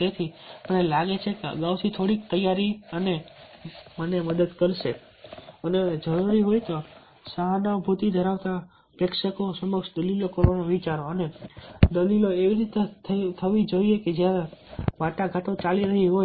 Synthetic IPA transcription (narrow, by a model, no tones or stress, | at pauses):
t̪et̪ʰimənelaɡet͡ʃʰekeə̰ɡawt̪ʰit̪ʰoɽik̚t̪əjaɾiəne | məneməd̪əd̪kəɾʃe | əned͡ʒəɾuɾiɦojt̪o | saɦanabʱut̪id̪ʱəɾaʋt̪a | pekʃəkosəməɡʃd̪əlilokoɾonoʋit͡ʃaɾoəned̪əliloeʋiɾit̪et̪ʰt̪ʰəʋid͡ʒoieked͡ʒjaɾeʋaʈaɡʱaʈot͡ʃaliɾəɦiɦo